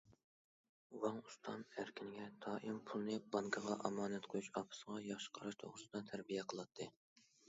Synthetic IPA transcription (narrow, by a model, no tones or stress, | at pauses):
wɑŋust̪ʰɑnæɾkʲinɪɡʲɛt̪ʰɑːʔimpʰulˠnɨbɑŋkʰɑʁɑʔɑmɑːnɛt̪qʰojuʃɑpʰɨ̥səʁɑjɑχʃə̥qʰɑɾɑʃt̪ʰo̰ʁɾɨsɨd̪ɑt̪ʰæɾbijɛqʰəlˠɑt̪ʰːɨ